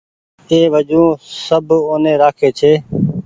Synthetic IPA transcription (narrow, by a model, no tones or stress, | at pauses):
eːʋəd͡ʒũːsəboːnẽːɾaːkʰeːt͡ʃʰeː